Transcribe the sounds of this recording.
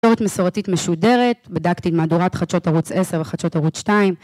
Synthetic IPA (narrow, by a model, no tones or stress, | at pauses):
oʁetmesoʁatitmeʃude̞ʁetbadakt̪itmaduʁatχat͡ʃotaʁut͡seseʁveχat͡ʃo̞thaʁut͡sʃtaim